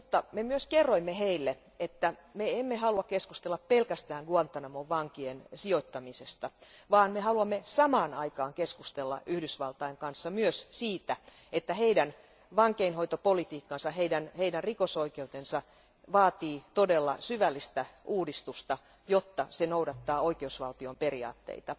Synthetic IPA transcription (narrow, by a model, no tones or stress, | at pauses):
mut̪ːɑmemyøskerːoimːeheilːe | et̪ːæmeemːehɑluɑkkeskust̪elːɑppelkæst̪æːŋɡuɑnt̪ɑnɑmoʋʋɑŋkiensioit̪ːɑmisest̪ɑʋɑːnmeɦɑluɑmːesɑmɑːnɑikɑːŋkeskust̪elːɑ̰ʔyhdysʋɑlt̪ɑiŋkɑnsːɑmyøssiːt̪æ | et̪ːæheidæn | ʋɑŋkeinho̞it̪opolit̪iːkːɑnsɑɦeidænheidænrikosoikeut̪ensɑ | ʋɑːt̪iːt̪odelːɑ̰syʋælːist̪æʔuːdist̪ust̪ɑ | jot̪ːɑsenoudɑt̪ːɑːoikeusʋɑlt̪iomperiɑ̰ːt̪ːḛit̪ɑ